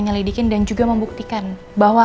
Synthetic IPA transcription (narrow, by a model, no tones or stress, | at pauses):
əɲəlidikɪndand͡ʒuɡaməmbuk̚t̪ikan | baɦwa